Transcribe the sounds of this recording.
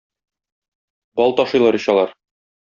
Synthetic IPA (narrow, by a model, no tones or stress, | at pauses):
bɒlˠt̪ɒʃɤ̆jlˠɑɾɤ̆ɕɑlˠɑɾ